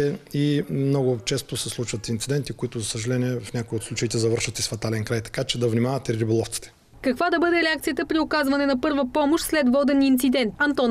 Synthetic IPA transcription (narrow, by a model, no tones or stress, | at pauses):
ɛimnɔɡʊt͡ʃɛst̪osɛslˠut͡ʃvət̪int̪sid̪ɛnt̪ikoit̪ʊzɐsəʒɐlɛniɛfnʲakoiot̪slˠut͡ʃəit̪ɛzɐvɤɾʃvət̪isfɐt̪alɛnkɾajt̪ɐ̥kat͡ʃɛd̪ɐvnimavɐt̪ɛɾɾibolˠɔft̪si̥t̪ɛ̥ | kɐkvad̪ɐbɤd̪ɛɾɛakt̪ijət̪əpɾiʊkazvɐnɛnɐpɤɾvəpɔmoʃt̪slɛt̪vɔd̪ɛnint̪sid̪ɛnt̪ɐnt̪ɔn